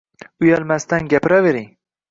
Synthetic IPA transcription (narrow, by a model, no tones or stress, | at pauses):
ʊjalmast̪anɡʲapɾave̞ɾiŋ